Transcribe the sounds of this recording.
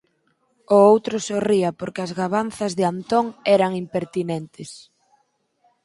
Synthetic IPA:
ʊowt̪ɾʊsoriɐpoɾkɪɐzɣaβanθɐzðɪant̪oŋɛɾɐŋimpeɾt̪inɛnt̪ɪs

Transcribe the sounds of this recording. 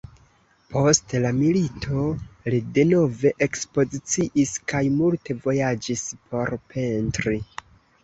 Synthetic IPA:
pʰo̞stlamilitʰo̞lide̞no̞ve̞ʔekspo̞zit͡siʔiskajmulte̞vo̞jad͡ʒispʰo̞ɾpʰe̞ntɾi

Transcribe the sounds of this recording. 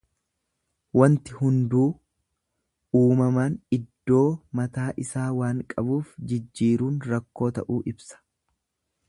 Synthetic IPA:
wɐnt̪ɪhʊnd̪uː | uːmɐmaːnɪd̪ːo̞ːmɐt̪aːʔɪsaːwaːŋkʼɐbuːfd͡ʒɪd͡ʒːiːɾuːnɾɐkːo̞ːt̪ɐ̰ʔuːʔɪbsɐ̥

